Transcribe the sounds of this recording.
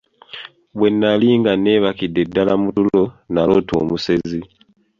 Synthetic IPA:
βwe̞nːaliːŋɡane̞βakidːe̞dːalamutulo̞nalo̞to̰ːmuse̞zi

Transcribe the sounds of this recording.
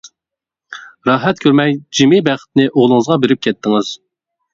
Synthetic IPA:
ɾɑːɦɛt̪̚kʰʲøɾmɛjd͡ʒimɪbæχə̥t̪̚nɪʔoʁlˠɨŋɨzʁɑbeɾɪp̚kʲʰɛt̪ʰːɪŋɨz̥

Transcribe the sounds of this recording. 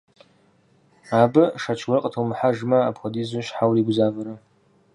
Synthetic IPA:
abɨʂat͡ʃʰwaɨqʼtʰomħaʐmaːpʰχadizaʃħawliɡʷzavɨɾɨ

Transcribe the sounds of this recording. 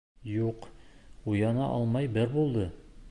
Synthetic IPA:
juqujɑnɑʔɒlˠmɑjbɘɾbulˠd̪ɤ

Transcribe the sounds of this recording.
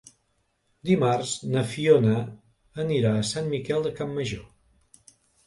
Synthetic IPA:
d̪imarznəfionə | əniɾaəsanmikɛlˠd̪əkamːəʒo

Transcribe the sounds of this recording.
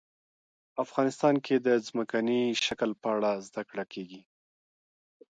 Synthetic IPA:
afɣɑnɪst̪ɑnkʰed̪əzməkaniʃakəlpəaɽazd̪akɽakʰeɡi

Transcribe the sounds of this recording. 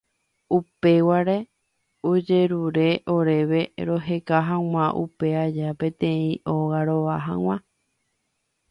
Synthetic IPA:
upe̞waɾe̞ | od͡ʒe̞ɾuɾe̞ʔo̞ɾe̞ʋe̞ɾo̞ɦe̞kaɦãw̃ãʔṵpe̞ad͡ʒapẽ̞t̪ẽ̞ĩʔoɣaɾoʋaɦã̰w̃ã

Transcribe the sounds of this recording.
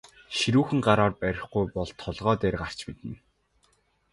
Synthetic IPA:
ʃiɾuːxɘ̆ŋɢaɾaːrpæɾʲɪ̆χɡujpɔɮt̪ʰːɔɮʁɔːt̪eːrɢar̥t͡ɕmit̪ɘ̆n

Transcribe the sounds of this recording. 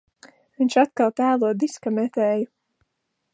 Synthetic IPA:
viɲʃat̪kalˠt̪æːlˠuɔd̪iskamɛt̪ɛːju

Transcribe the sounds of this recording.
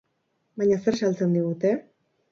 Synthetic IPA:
baɲaseɾsalt͡se̞nd̪iɣ̞ut̪e̞

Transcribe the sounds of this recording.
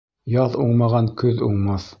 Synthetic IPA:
jɑðuɴmɑʁɑnkʰɵðuɴmɑθ

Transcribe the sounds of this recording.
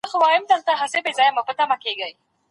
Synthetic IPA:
xʊwɑjʊmd̪əlt̪aɦasebezɑjamapət̪amakeɡəj

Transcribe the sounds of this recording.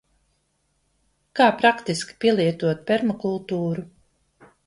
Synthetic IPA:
kaːpɾakt̪iskʲi̥pʲiɛlˠiɛt̪uɔt̪̚pʲɛɾmakulˠt̪uːɾu

